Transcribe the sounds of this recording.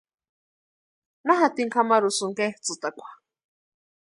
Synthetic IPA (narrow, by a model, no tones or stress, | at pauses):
naɦat̪iŋkʰamaɾusuŋket͡sɨt̪akʷḁ